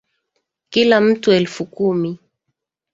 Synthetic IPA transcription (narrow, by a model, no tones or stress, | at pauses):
kilam̩tuɛlfukumi